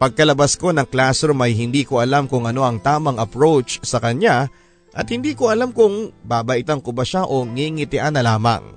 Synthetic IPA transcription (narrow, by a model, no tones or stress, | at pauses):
pɐɡ̚kɐlɐbɐsko̞nɐŋklaːsɾomɐjɦɪnd̪iːko̞ʔɐlamkʊŋʔɐno̞ʔɐŋt̪aːmɐŋʔɐpɹowt͡ʃsɐkɐɲa | ʔɐt̪̚hɪnd̪iːkoɐlamkʊŋbaːbɐʔɪt̪ankʊbɐʃaʔo̞ŋiŋɪt̪ɪʔanːɐlaːmɐ̰ŋ